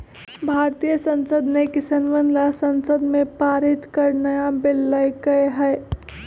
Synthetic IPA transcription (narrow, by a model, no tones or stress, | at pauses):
bʱaːɾt̪ijəsə̃nsəd̪nekɪsənʋənlasənsəd̪mẽpaːɾit̪kəɾnəjabɪlːəjkəɦɛɪ